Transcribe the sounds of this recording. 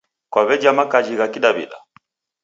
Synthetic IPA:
kwaβɛd͡ʒamakad͡ʒiɣakiɗabḭɗa̰

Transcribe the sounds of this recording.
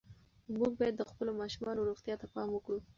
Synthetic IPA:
muɡ̚bɑjad̪ːəxpəlomɑʃumɑnoɾuɣt̪jɑt̪apɑməkɽu

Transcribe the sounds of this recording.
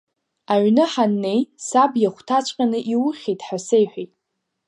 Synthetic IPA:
aɥnɨħanːe̞jsabjaχʷtʰat͡ʃʷʼqʲʼanɨʔiwʊχʲejtʼħasejħʷᶣejtʼ

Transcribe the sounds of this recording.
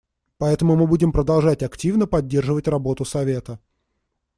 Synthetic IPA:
pɐɛt̪əmʊmɨbudʲɪmpɾəd̪ɐlˠʐatʲɐktʲivnəpɐdʲːe̞rʐɨvətʲrɐbo̞t̪ʊsɐvʲe̞t̪ə

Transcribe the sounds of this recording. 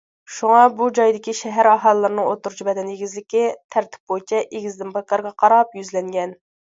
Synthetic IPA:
ʃuŋɑbud͡ʒɑjd̪ɪkʲiʃɛɦæɾɑɦɑlˠːɨɾɨnɨŋot̪ːuɾt͡ʃʰibɛd̪ɛneɡʲizlɪkʲɪt̪ʰæɾt̪ʰɪ̥p̚bojt͡ʃʰɛʔeɡʲizd̪ɪmpɑkːɑɾɡɑqʰɑɾɑpjyzlɛŋɡʲɛn

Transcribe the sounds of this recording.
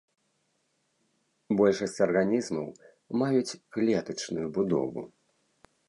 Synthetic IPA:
bɔlʲʂɐsʲt͡sʲɐrɣanʲizmɐw | majut͡sʲɣlʲɛt̪ɐt͡ʂnujubud̪ɔ̰vṵ

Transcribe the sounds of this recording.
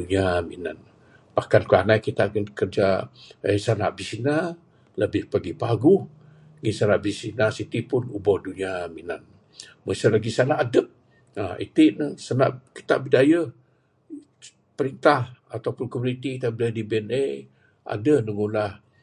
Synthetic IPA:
uɲiaminan | bakankuanaikit̪aʔənkərd͡ʒaəjsana̰ʔbisina | ləbɪhpaɡipaɡuh | ŋinsanaʔbisinasit̪ipʊnubɔhduɲiaminan | məsalaɡisanaʔːdəp̚ | aḛt̪ɪʔnəsanaʔki̥t̪a̰ʔbidajə | pəɾint̪ahat̪awpʊnkomunit̪ikit̪abidajadibiɛne | ʔa̰dənəŋulah

